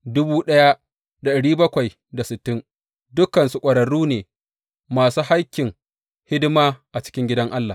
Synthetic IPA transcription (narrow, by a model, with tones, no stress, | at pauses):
dʊ˦buː˦ɗɐ˦ja˦ | da˨ɗɐ˨ɽiː˦bɐ˦kʷa˨j | da˨sɪ˨tːɪ˦n | dʊ˦kːɐ˨nsu˨kʷʼɐ˨ɽɐ˨ɽuː˦neː˨ | maː˨suː˦ha˦kʲːɪ˨ŋ | hɪ˦dmaː˦ʔa˨t͡ʃɪ̥˦kʲɪ˦ŋɡʲɪ˦dɐ˦ŋʔa˦lːaː˨